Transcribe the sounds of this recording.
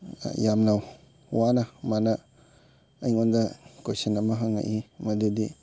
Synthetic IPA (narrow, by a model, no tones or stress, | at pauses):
jamnaw | wanɐmanɐː | jŋundɐkojsinɐmɐɦaŋːa̰ʔimɐdudi